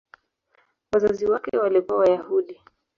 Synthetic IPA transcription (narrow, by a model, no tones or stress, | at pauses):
wazaziwakɛwalikuawajahuɗi